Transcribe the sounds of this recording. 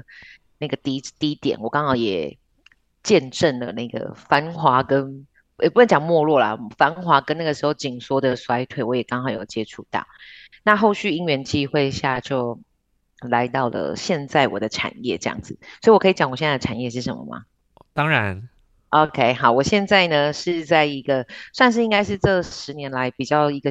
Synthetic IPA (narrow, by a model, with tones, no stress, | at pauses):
na˥˩ɡə˩t̪i˥t̪i˦˥t̪jɛ̰˨˩˦nwɔ˨˩kɑ˦˥ŋxɑ˧˥ŋjɛ̰˨˩ | t͡ɕjɛ˥˧nʈ͡ʂə˥˩nlə˩na˥˩ɡə̰˩fa˦˥nxwa˧˥kə˦n | jpu˥˩nə˥˩t͡ɕjɑ˨˩ŋmwɔ˥˧lwɔ˥˩la̰˩fa˧˥nxwa˧˥kə˦na˥˩ɡə˩ʂɻ̩˧˥xo˥˧ʊt͡ɕi˨˩ŋswɔ˥d̪ə˨swa˥ɪt̪ʰwe˥˩ɪwɔ˧˦jɛ˨˩kɑ˥ŋxɑ˨˥ŋjo˨˩ʊt͡ɕjɛ˦ʈ͡ʂʰu˥˧t̪ɑ̰˥˩ʊna˥˧xo˥˧ʊɕy˥˩i˥ŋɥɛ˧˥nt͡ɕi˥xwe˥˧ɪɕja˥˧t͡ɕjo˥˨˩ʊ | la˧˦ɪt̪ɑ˥˩ʊlə̰˩ɕjɛ˥˧nt͡sa˥˩ɪwɔ̰˨˩d̪ə˦ʈ͡ʂʰa̰˨˩njɛ̰˥˨ʈ͡ʂɤ˥˧jɑ̰˥˩ŋd͡zɹ̩˨˩swɔ˧˥i˨wɔ˨˩kʰi˧˩t͡ɕjɑ˨˩˦ŋɔ˨˩ɕjɛ˥˧nt͡sa˥˩də˨ʈ͡ʂʰa˨˩njɛ˥˧ʂ̬ɻ̩˥˩ʂə̰˧˦mə̰˧˩ma̰˨˩ | t̪ɑ˥ŋɻa˧˦n | o˧ʊkʰe˧˥ɪxɑ˨˩˦ʊwɔ˨˩ɕjɛ˥˧nt͡sa˥˩ɪnə˩ʂɻ̩˥˧t͡sa˥˩ɪi˧˥ɡə˧swa˥˧nʂɻ̩˥˩i˥ŋɡa˥ɪʂ̬ɻ̩˥˧ʈ͡ʂɤ˥˩ʂɻ̩˧˥njɛ˧˦nla˧˥ɪpi˨˩t͡ɕjɑ˥˩ʊi˧˥ɡə˧